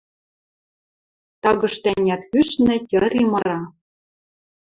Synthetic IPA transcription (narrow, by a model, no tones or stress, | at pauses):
t̪ɑɣɤ̆ʃt̪ænʲæt̪kyʃnɘ̆tʲɤ̆ɾimɤ̆ɾɑ